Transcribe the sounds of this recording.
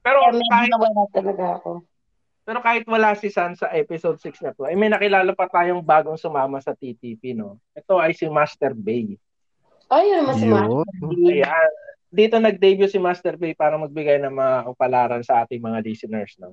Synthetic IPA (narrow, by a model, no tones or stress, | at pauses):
pɛːɾomɛkaːhɪnɐwɐlat̪ɐlɐɡaɐko | pɛːɾokaːhɪt̪̚wɐlasɪsansɐʔɛpɪsod̪̚sɪksɲɐp̪oʔɐjmɐjnɐkɪlaːlopɐt̪aːjo̞ŋbaːɡoŋsʊmaːmɐsɐt̪it̪iːpino̞ʔɛt̪o̞ʔɐjsɪmast̪ɛɾbej | ʔojanmɐma | jan | d̪iːt̪o̞nɐɡ̚d̪ɛjbjʊsɪmaːst̪ɛɾbejpaːɾɐmɐɡ̚bɪɡajnɐŋmɐŋaʔʊpɐlaːɾɐnsɐʔaːt̪ɪŋmɐŋaɾisɪnɛɹsnɐ